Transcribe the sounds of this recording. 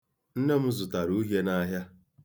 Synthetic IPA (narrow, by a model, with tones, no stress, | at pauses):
n̩˦ne˦m̩˦zʊ˨ta˨ɾu˦ɦje˦na˦ɦja˦